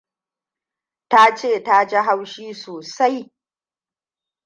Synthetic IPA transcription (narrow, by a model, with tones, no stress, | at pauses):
ta˦t͡ʃeː˦˨ta˦d͡ʒa˦ɦa˦wʃiː˦soː˨sa˦j